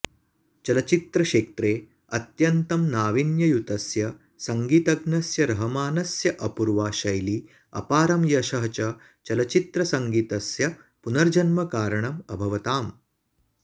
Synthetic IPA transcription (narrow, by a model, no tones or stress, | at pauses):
t͡ʃɐlɐt͡ʃit̪ɾɐʃeːk̚t̪ɾeː | ɐt̪jɐnt̪ɐmnaːʋinjɐjut̪ɐsjɐ | sɐŋɡiːt̪ɐɡnɐsjɐɾɐɦɐmaːnɐsjɐʔɐpuɾʋaːʃɐjli | ɐ̰paːɾɐmjɐʃɐɦɐt͡ʃɐ | t͡ʃɐlɐt͡ʃit̪ɾɐsɐŋɡiːt̪ɐsjɐ | punɐɾd͡ʒɐnmɐkaːɾɐɳɐmɐbʱɐʋɐt̪aːm